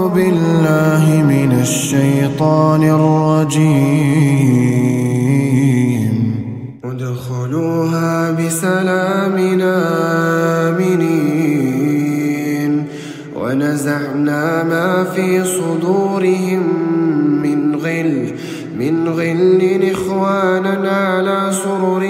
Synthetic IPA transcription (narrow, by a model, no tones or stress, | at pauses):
bɪlːaːɦɪmɪnaʃːajt̪ˤɑːnɪrˤːɑd͡ʒiː | n | wad̪axaluːɦaːbɪsalaːmɪnaː | mɪniː | n | wa̰nazaʕnaːmaːfiːsˤʊd̪uːɾɪɦɪmː | ɪnɣɪl | mɪnɣɪlːɪnʔɪxwaːnanʕalaːsʊɾɾ